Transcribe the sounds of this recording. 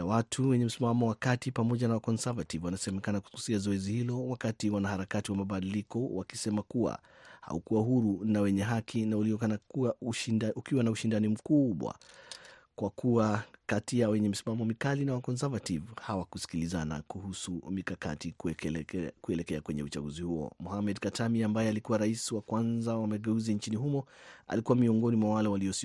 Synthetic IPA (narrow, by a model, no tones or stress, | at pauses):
awatʰuwɛɲɛm̩simamɔwakatipamɔʄanawakɔnsavativwanasɛmɛkanaku̥kusiazɔɛzihilɔwakatiwanahaɾakatiwamaɓaɗilikɔwakisɛmakuwa̰ | ha̰ukuwahuɾunawɛɲɛɦakʰinauliɔanakuauʃukiwanauʃindanim̩kuɓwa̰ | kwakʰuwakatiawɛɲɛm̩simamɔmikalinawakɔns̬avativhawakusi̥kilizana̰kuhusumikaka̰tik | kuɛlɛkɛakwɛɲɛ̰ut͡ʃaɡuzihuɔ̰mɔhamɛdkatʰamiambajɛalikuwaɾaisiwakwanzawamaɡɛuzint͡ʃiniɦumɔa̰likuwamiɔŋɡɔnimwawalɛwaliɔsi